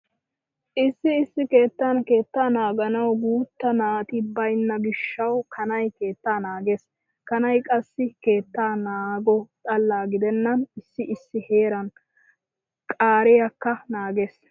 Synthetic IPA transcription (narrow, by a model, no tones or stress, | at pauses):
ʔɪsːɪɪsːɪke̞ːt̪ːanke̞ːt̪ːaːnaːɡɐnɐwɡuːt̪ːɐnaːt̪ɪbɐjnːɐɡɪʃːɐwkʰɐnɐjke̞ːt̪ːaːnaːɡeːs | kɐnɐjkʼɐsːɪke̞ːt̪ːaːnaːɡɔt̪ʼɐlːaːɡɪd̪ɛnːɐnɪsːɪʔɪsːɪhe̞ːɾɐn | kʼaːɾɛjɐkːɐnaːɡeːs